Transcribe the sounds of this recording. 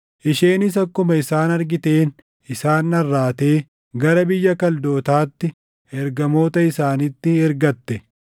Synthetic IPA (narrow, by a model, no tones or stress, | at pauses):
ʔɪʃeːnɪsɐkːʊmɐɪsaːnɐɾɡɪt̪e̞ːn | ɪsaːnːɐrːaːt̪e̞ː | ɡɐɾɐbɪjːɐkɐld̪oːt̪aːt̪ːɪ | ɛɾɡɐmo̞ːt̪ɐɪsaːnɪt̪ːɪɛɾɡɐt̪ːɛ